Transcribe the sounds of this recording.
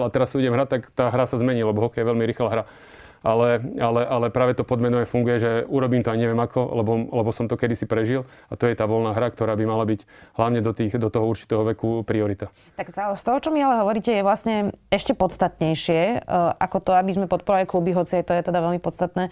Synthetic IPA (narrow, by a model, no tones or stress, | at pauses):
at̪ɛɾastuuɟɛmɦɾac̚t̪ːakt̪aːɦɾasazmɛɲilɛbɔɦɔkɛjɛʋɛlmiɾiːxlaɦɾa | ʔalɛalɛʔalɛpɾaːʋɛt̪ɔpɔd̪mɛnɔɛfuŋɡujɛʒɛuɾɔbiːmt̪ɔajɲɛʋɛmakʰɔlɛbɔlɛbɔsɔmt̪ɔkɛd̪isipɾɛʒil | at̪ɔjɛt̪aːʋɔlnaːɦɾak̚t̪ɔɾaːbimalabiɟɦlaʊɲɛd̪ɔt̪iːxd̪ɔt̪ɔɦɔuɾt͡ʃi̥t̪ɛːɦɔʋɛkupɾiɔɾit̪a | t̪aksast̪ɔɦɔt͡ʃɔmialɛɦɔʋɔɾiːcɛjɛʋlasɲɛɛʃcɛpɔt̪t͡st̪at̪ɲɛjʃɪɛʔa̰kɔt̪ɔabizmɛpɔt̪̚pɔɾaliklubiɦɔt͡siajt̪ɔjɛt̪ɛd̪aʋɛlmipɔt̪st̪at̪nɛː